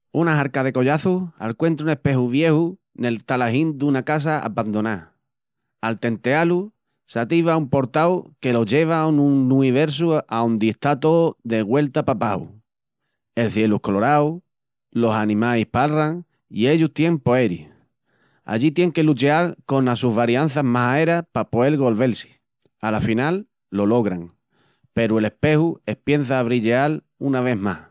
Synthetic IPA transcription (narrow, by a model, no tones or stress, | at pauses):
unaɦaɾkað̞e̞ko̞ʎaθua̰lkwe̞nt̪ɾune̞hpe̞huβ̞je̞hu | ne̞lt̪alaɦĩnd̪unakas̬aʔa̰pand̪o̞na | alt̪e̞nt̪e̞alu | sat̪iβaumpo̞ɾt̪awke̞lo̞ʝe̞β̞aunuũiβ̞e̞ɾs̬uaond̪ieht̪at̪o̞ðe̞ɣwe̞lt̪apapaṵ | e̞lθje̞luko̞lo̞ɾaw | lo̞sanĩmaihpalraŋ | ḭe̞ʎuht̪jẽmpo̞e̞ɾi | a̰ʎit̪je̞ŋke̞lut͡ʃealko̞nasuɦβaɾjan̟θaɦmasae̞ɾapapoe̞lɣo̞lβe̞lsi̥ | alafinalː | o̞lo̞ɣɾaŋ | pe̞ɾue̞le̞hpe̞hue̞hpje̞n̟θaːβɾiʎeal | unaβ̞e̞ɦmah